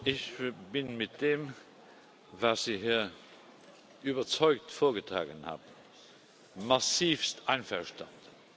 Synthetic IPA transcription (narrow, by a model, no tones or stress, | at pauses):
ɪçbɪnmɪt̚d̥eːm | vaːsiɦiːɐ | ʔyːbɐt͡sɔʏk̚tfoːɐɡətʁ̥a̰ːɡənha̰ːbn | mɑsiːfstʰʔaɪnfɛɐʃtʰa̰ndən